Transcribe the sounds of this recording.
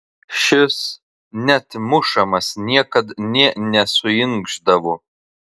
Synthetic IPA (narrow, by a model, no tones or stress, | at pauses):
ʃʲɪs | nʲɛt̪mʊʃɐmɐsnʲiɛkɐt̪nʲiɛnʲɛsʊjɪŋɡʒd̪ɐʋo